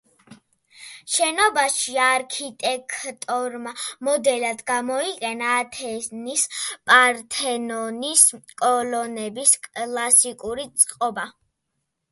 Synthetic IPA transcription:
ʃɛnɔbaʃiaɾkʰit̪ʼɛkʰt̪ʼɔɾmamɔd̪ɛlad̪ɡamɔiqʼɛnaːt̪ʰɛnispʼaɾt̪ʰɛnɔniskʼɔlɔnɛbiskʼlˠasikʼuɾit̪sʼqʼɔba

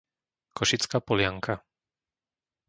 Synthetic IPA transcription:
kɔʃit͡skaːpɔlɪaŋkʰa

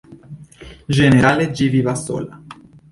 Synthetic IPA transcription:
d͡ʒeneɾaːled͡ʒiviːvaso̰ːla

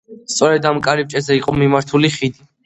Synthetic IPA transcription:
st̪sʼɔɾɛd̪amkʼaɾip̚t͡ʃʼɛzɛiqʼɔmimaɾt̪ʰuliχid̪i

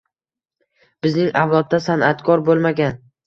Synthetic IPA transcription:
b̥ɪznɪŋawlˠɒd̪̚ːasanʔat̪kʰɒɾbolˠmaɡʲan

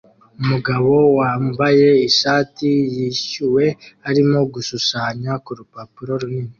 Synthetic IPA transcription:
umuɡaβo̞waːmbaje̞iʃaːtijiːʃuwe̞aɾimo̞ɡusuʃaɲakuɾupapuɾo̞ɾunini

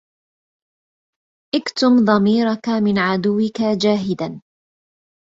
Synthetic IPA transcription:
ʔɪkt̪ʊmðˤɑmiːɾakamɪnʕad̪ʊwːɪkad͡ʒaːɦɪd̪an

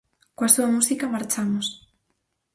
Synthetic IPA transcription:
koasuamusikamaɾt͡ʃamos

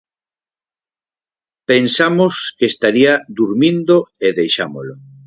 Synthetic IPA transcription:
pensamoskeːst̪aɾiad̪uɾmĩnd̪oeðejʃamolo

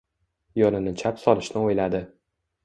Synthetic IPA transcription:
jɒnɪnɪt͡ʃʰapsɒlɪʃnɪojlad̪ɪ

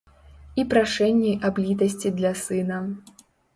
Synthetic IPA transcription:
ipɾaʂɛnʲːijʔablʲit̪ɐs̬ʲt͡sʲid̪lʲɐsɨnɐ

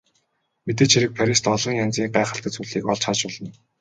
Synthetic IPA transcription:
met̪̬eːt͡ɕʰiɾɘ̆k̚pʰæɾʲist̪ɔɮɞ̆ŋjant͡siːŋɢæːχə̆ɬt̪ə̆t͡suɮiːkɔɮt͡ɕχat͡ɕɔɮɞ̆n

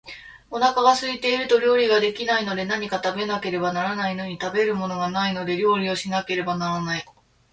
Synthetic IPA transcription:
o̞nakaɡasɨit̪e̞iɾɯ̟t̪o̞ɾʲo̞ːɾʲiɡad̪e̞kʲinaino̞d̪e̞naɲ̟ikat̪abe̞nake̞ɾe̞banaɾanaino̞ɲ̟it̪abe̞ɾɯ̟mo̞no̞ɡanaino̞d̪e̞ɾʲo̞ːɾʲio̞ɕinake̞ɾe̞banaɾanai

